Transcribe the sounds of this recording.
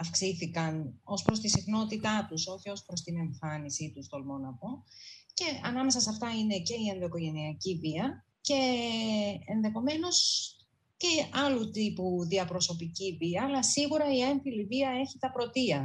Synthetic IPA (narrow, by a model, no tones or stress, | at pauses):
ɐfksiθikɐno̞spɾo̞st̪isixno̞t̪it̪ɐt̪uso̞çio̞spɾo̞st̪ine̞ɱfɐnisit̪ust̪o̞lmo̞nɐpo̞ce̞ɐnɐme̞sɐsɐft̪ɐine̞ce̞iend̪oko̞ʝe̞niɐciviɐ | ce̞ | enðe̞xo̞me̞no̞s | ce̞ɐlut̪ipuðiɐpɾo̞so̞piciviɐːlɐsiɣuɾɐienθiliviɐe̞çit̪ɐpɾo̞t̪iɐ